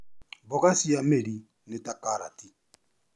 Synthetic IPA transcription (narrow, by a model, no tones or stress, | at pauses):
bɔkasijameɾi | netakaɾa̰ti